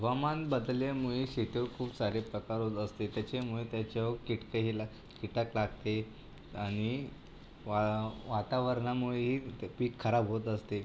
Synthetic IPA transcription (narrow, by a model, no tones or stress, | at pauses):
ʋəmanbəd̪ljamuɭeɕiʈəʋkʰuːpsaɾepɾəkaɾɦot̪əst̪et̪jat͡ɕemuɭet̪jat͡ɕaʋokiʈkeɦila | kiʈəklaɡt̪e | añi | ʋaʋat̪aʋəɾɳamuɭeɦiːpiːkʰːəɾabɦot̪əst̪e